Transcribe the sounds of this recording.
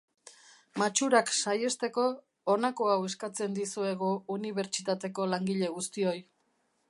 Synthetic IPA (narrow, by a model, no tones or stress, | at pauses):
mat͡ʃuɾaksaje̞st̪e̞ko̞ː | nako̞awe̞skat͡se̞nd̪isue̞ɣ̞uuniβe̞ɾt͡ʃit̪at̪e̞ko̞laŋɡiʎe̞ɣust̪io̞j